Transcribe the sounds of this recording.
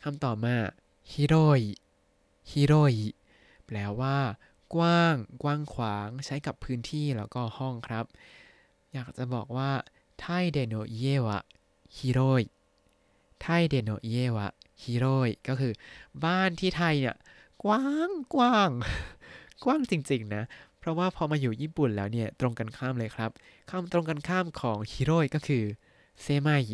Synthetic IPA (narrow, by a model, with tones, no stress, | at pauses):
kʰa˧mt̪ɔː˨˩p̚maː˧˩ | hi˦˥ɾoː˧˥˩j | hi˦˥ɾoː˧˥˩j | pʰlɛː˦˥wːaː˥˩ | kwaː˥˩ŋkwaː˥˩ŋkʰwaː˩˦ŋt͡ɕʰa˦˥jka˨˩pʰːɯː˦˥nt̪ʰiː˥˩lɛː˦˥wkɔː˥˩hɔ˥˩ŋkʰɾa˦˥p̚ | jaː˨˩k̚t͡ɕa˨˩bɔː˨˩k̚waː˥˩ | t̪ʰa˥˩jdeː˧noː˧˩ʔi˧˥eː˥˩wʔa̰˨˩ | hi˧˥ɾoː˥˩j | t̪ʰa˥˩jdeː˧noː˧˩ʔi˧˥eː˥˩wa̰˨˩hiː˧˥ɾoː˥˩jkɔː˥˩kʰɯː˧baː˥˩nt̪ʰiː˥˩t̪ʰa˧jni˧˩ɐ | kwaː˥˩ŋkwaː˥˩ŋ | kwaː˥˩ŋt͡ɕi˧ŋt͡ɕi˧ŋna˦˥pʰɾɔ˦˥waː˥˩pʰɔː˧maː˧juː˨˩jiː˥˩pu˨˩nlɛː˦˥wni˥˩ɐt̪ɾo˧ŋka˧nkʰaː˥˩mlɤː˧jkʰɾa˦˥p̚ | kʰa˧mt̪ɾo˧ŋka˧nkʰaː˥˩mkʰɔː˩˦ŋhi˧ɾoː˥˩jkɔː˥˩kʰɯː˧ | seː˦˧˩ma˧˥˩j